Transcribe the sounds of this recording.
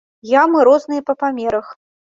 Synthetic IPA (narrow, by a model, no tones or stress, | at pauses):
jamɨɾɔznɨjɐpɐpamʲɛɾɐx